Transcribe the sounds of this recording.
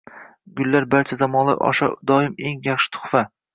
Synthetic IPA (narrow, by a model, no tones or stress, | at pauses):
ɡʊlːaɾbaɾt͡ʃʰazamɒnlˠa̰ʔɒ̰ʃa̰d̪ɒɪme̞ŋjɑχʃɪ̥t̪ʰʊ̥χfa